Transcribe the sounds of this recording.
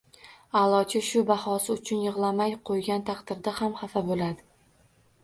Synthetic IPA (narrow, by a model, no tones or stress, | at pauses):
alˠɒt͡ʃʰɪʃʊbahɒsɪʊt͡ʃʰʊnjɨʁlˠamajqʰojɡʲant̪ʰaqd̪̥ɪɾd̪ahamχafabolad̪ɪ